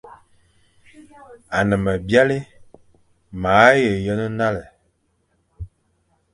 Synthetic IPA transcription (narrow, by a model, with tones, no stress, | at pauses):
a˨nə˨mə˨bja˦li˦ | ma˨˦jə˨jə˦nə˦na˦lə˨